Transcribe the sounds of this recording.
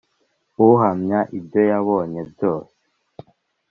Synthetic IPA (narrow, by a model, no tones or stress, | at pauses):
uɦamɲaʔibjo̞jaβoːɲe̞bjo̞ːse̥